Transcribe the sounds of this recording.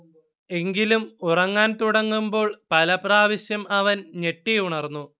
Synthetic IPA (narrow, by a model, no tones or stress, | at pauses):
e̞ŋɡilumurɐŋːaːnt̪uɽɐŋːumbo̞ːɭpɐlɐpraːʋɐɕjɐmɐʋɐnne̞ʈːiuɳɐrnːu